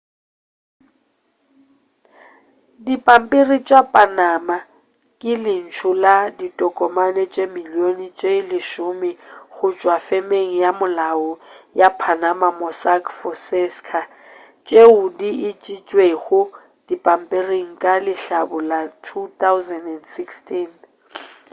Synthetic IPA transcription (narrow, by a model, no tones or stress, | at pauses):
dipʼam̩pʼirit͡ʃʼapʼanama | kʼɪlɪn̩t͡ʃʰʊladitʼɔkʼɔmanɛt͡ʃʼemiljonit͡ʃʼelɪʃʊmɪɣʊt͡ʃʼwafɛmeŋ̩jamʊlaɔjapʰanamamɔsakʰfɔsɛskʰa | t͡ʃʼeʊdiit͡ʃʼit͡ʃʼweɣʊ | d̥ipʼam̩pʼiriŋ̩kʼalɪɬabʊlatʰut̪ʰaʊzɛndɛndsikstʰin